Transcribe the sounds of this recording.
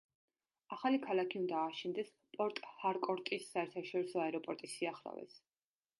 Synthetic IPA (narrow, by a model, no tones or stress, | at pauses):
aχalikʰalˠakʰiund̪aːʃind̪ɛs | pʼɔɾt̪ʼhaɾkʼɔɾt̪ʼisːaɛɾt̪ʰaʃɔɾisɔaɛɾɔpʼɔɾt̪ʼisiaχɾɔ̰vɛ̰s